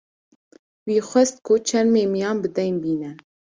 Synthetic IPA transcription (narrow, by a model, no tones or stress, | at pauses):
wiːxʷɛst̪̚kʰʊt͡ʃʰɛnmeːmijɑːnbɨd̪ɛŋbiːnɛ